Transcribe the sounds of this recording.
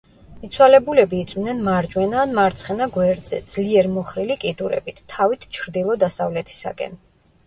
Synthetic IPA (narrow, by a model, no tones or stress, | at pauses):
it̪sʰwalɛbulɛbiːt̪sʼvnɛnmaɾd͡ʒwɛnaːnmaɾt̪sʰχɛnaɡwɛɾd̪zɛ̰d̪z̥liɛɾmɔχɾilikʼid̪uɾɛ̰bit̪ʰt̪ʰːavit̪ʰt͡ʃʰɾd̪ilˠɔd̪asavlɛt̪ʰi̥sa̰kʼɛ̰n